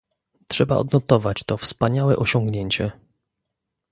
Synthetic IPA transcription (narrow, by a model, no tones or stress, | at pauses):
tʂɛba̰ʔɔ̰d̪nɔt̪ɔvat͡ɕt̪ɔfspaɲawɛ̰ʔɔɕɔŋɡɲeɲt͡ɕɛ